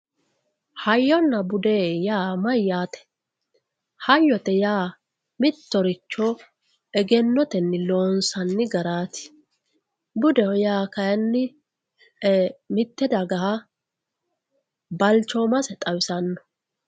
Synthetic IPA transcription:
hɐjːɔnːɐbʊd̪ɛjaːmɐjːaːt̪ɛ̥ | hɐjːɔt̪ɛjaː | mɪt̪ːɔɾɪt͡ʃːɔ | ɛɡɛnːɔt̪ɛnːɪloːnsɐnːɪɡɐɾaːt̪ɪ̥ | bʊd̪ɛɔjaːkɐjɐnːɪ | mɪt̪ːɛd̪ɐɡɐha | bɐlt͡ʃːɔmɐsɛt̪ʼɐwɪsɐnːɔ̥

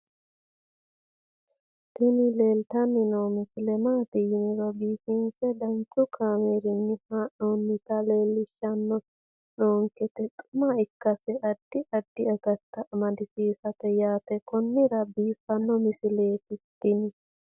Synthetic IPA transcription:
t̪ɪnɪleːlt̪ɐnːɪnoːmɪsɪlɛmaːt̪ɪjnɪɾɔbiːfɪnt͡sɛd̪ɐnt͡ʃʊkʰaːmeːɾɪnːɪhaːʔoːnːɪt̪ɐleːlːɪʃːɐnːɔ | noːŋkɛt̪ɛt̪ʼʊ̥maɪkːɐsɛɐd̪̥ːɪʔɐd̪ːɪɐɡɐt̪ːɐʔːmɐd̪ɪsiːsɐt̪ɛjaːt̪ɛkɔnːɪɾɐbiːfːɐnːɔmɪsɪleːtɪt̪ːɪnɪ

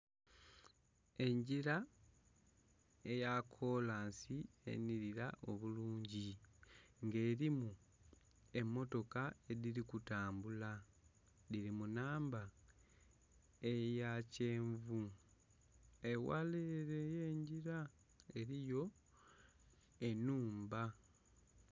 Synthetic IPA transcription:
e̞ɲɟiɾa | e̞jakʰo̞laːnsie̞̰niɾiɾaʔo̞βuluːɲɟi | ŋɡe̞ːɾimu | e̞mːo̞to̞kae̞ðiɾikutaːmbula | ðiɾimunaːmba | ejace̞ːɱvu | e̞wa̰leɾeje̞ːɲɟiɾa | e̞ɾijo̞ | e̞nuːmba

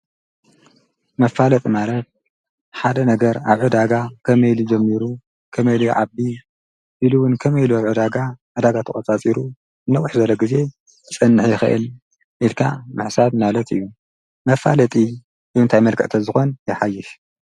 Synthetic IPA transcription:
mɐfalɐt̪ʼimaɾɐt̪̚ | ħad̪ɐnɐɡɐɾaβʕɨd̪aɡakʰɐmɐjlud͡ʒɐmːiɾu | kʰɐmɐjluʕabi | ʔiluwʊnkʰɐmɐjluaβʕɨd̪aɡaʕɨd̪aɡat̪ʰɨχʼɐt͡sʼat͡sʼiɾu | ɨnːɐwɨħzɐlːɐɡize̞ | t͡sʼɨnːɨħjɪxɨ̰ʔɨ̰l | ʔilkʰa̰mɨħsadmalɐt̪ʰɨ̰jːu | mɐfalɐt̪ʼi | ɨɨnt̪ʰajmɐlkʰɨ̰ʕt̪ʰɐzɨxo̞njɛħajːɪʃ

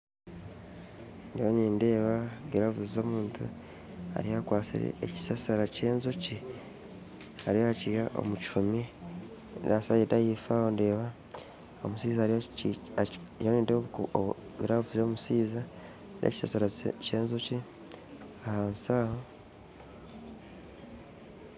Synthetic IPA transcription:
ndijoniːnde̞ːβaɡeɾavuzizo̞ːmuːntṵ | a̰ɾijakwaːsḭɾḛːci̥sasaɾaceːnzoci | aɾijohacijaʔo̞̰muci̥ʃumi | dasajidajifaho̞nde̞ːβa | o̰musiːza | joniːnde | βiɾavuzoːmusiːza | nʔḛci̥sasaɾace̞ːnzoci | ahansaːho

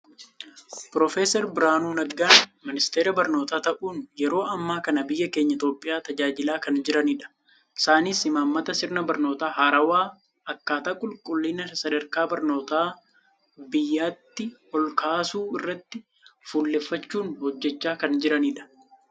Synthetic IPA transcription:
pɾofeːsɛɾbɪɾaːnuːnɐɡaːnmɪnɪst̪e̞ːɾɐbɐɾno̞ːt̪aːt̪ɐʔuːnjɛɾo̞ːʔɐmːaːkɐnɐbɪjːɐke̞ːɲːɐɪt̪o̞ːpʼːɪjaːt̪ɐd͡ʒaːd͡ʒɪlaːkɐnd͡ʒɪɾɐniːᶑɐ̥ | ɪ̥saːniːsɪmaːmːɐt̪ɐsɪɾnɐbɐɾno̞ːt̪aːɦaːɾɐwaː | ɐkːaːt̪aːkʼʊlkʼʊlːiːnɐsɐdɐɾkaːbɐɾno̞ːt̪aː | bɪjːaːt̪ːɪhɔlkʰaːsuːɪrːɐt̪ːɪ | fuːlːeːfːɐt͡ʃːuːnhɔd͡ʒːɛt͡ʃːaːkɐnd͡ʒɪɾɐniːᶑɐ̥

